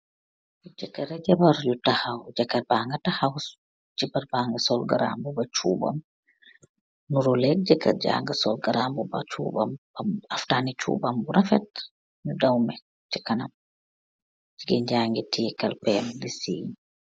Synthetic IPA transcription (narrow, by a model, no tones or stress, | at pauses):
d͡ʒɛkːɛɾɛd͡ʒabaɾjutahawd͡ʒakːaɾbaŋɡatahaw | d͡ʒibaɾbaːŋɡasɔlɡaɾa̰mbubat͡ʃṵːba̰m | nuɾɔlɛk̚d͡ʒɛkːa̰d͡ʒa̰ŋɡasɔlɡaɾambuba̰t͡ʃṵːba̰mbaftaːnit͡ʃṵːbambuɾafɛt̚ | ɲudawmɛ | t͡ʃi̥kɐnam | d͡ʒiɡɛɲd͡ʒaːŋɡitʰiːkalpɛmdisḭːɲi